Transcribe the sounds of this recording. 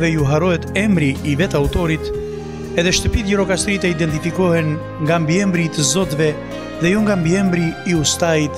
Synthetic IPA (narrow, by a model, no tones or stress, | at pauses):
vɛjuɦaɾɔɦɛt̪ɛmɾiːvɛt̪aut̪ɔɾit̪ | ɛðɛʃt̪əpit̪ɟɛɾɔkast̪ɾit̪ɛid̪ɛnt̪ifikɔhɛn | ŋɡambiɛmbɾit̪əzɔt̪vɛ | ðɛjɔŋɡambiɛmbɾiːust̪ait̪